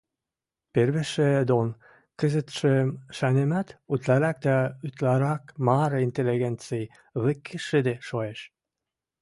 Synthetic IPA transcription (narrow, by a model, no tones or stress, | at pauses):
perβeʃed̪on | kə̆zə̆t̪ʃemʃænemæt̪ut̪læɾɑk̚d̪æyt̪lɑɾɑkmɑɾint̪elːiɣent͡sɨj | βə̆kʰːeʃə̆d̪eʃoeʃ